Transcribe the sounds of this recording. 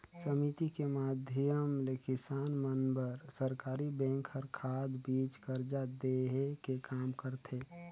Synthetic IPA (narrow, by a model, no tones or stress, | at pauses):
səmit̪ikemaːd̪ʱjəmlekɪsaːnmənbəɾsəɾkaːɾibɛ̃ŋkəɾkʰaːd̪biːt͡ʃkəɾd͡ʒad̪eɦekekaːmkəɾt̪ʰe